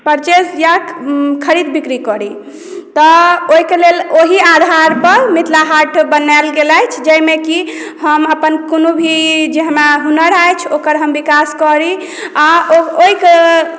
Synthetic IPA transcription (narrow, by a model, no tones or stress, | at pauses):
pəɾt͡ʃesjakʰəɾid̪bikɾikɔɾi | t̪ɔoikeleloɦiad̪ʱaɾpəmit̪laɦaʈʰbənajlɡelajt͡ʃʰd͡ʒəmeki | həməpənkonobʱid͡ʒeɦəmaɦunəɾajt͡ʃʰokəɾɦəmbikaskɔɾi | aooike